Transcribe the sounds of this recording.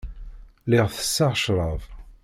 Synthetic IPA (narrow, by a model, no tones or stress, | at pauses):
lɪʁθə̥sːaʁʃɾˤəv